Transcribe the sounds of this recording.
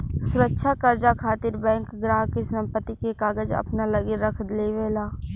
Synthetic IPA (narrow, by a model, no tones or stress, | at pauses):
sʊɾəkːʃʰakəɾd͡ʒakʰaːt̪ɪɾbɛ̃ːŋkɡɾaːɦkesɐ̃mpət̪ːikekaːɡəd͡ʒɐ̰pnalɐɡiɾəkʰd̪leʋeːlaː